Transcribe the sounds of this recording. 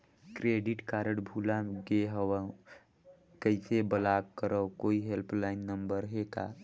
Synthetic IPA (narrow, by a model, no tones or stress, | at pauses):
kɾeɖiʈkaɾəɽbʱulaɡeɦəwə̃ | kəɪsebəlaɡkəɾəwkoiɦelpʰlaɪnːəmbəɾɦeka̰